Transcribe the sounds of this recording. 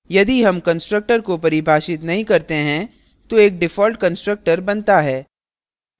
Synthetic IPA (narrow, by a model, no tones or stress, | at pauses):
jɐd̪iɦɐmkɐ̃nsʈɾək̚ʈəɾkopɐɾibʱaːʃɪt̪nɐɦĩkɐɾt̪eɦɛ̃ | t̪oeːk̚ɖɪfɔːlʈ̚kɐ̃nsʈɾək̚ʈəɾbɐnt̪aɦɛː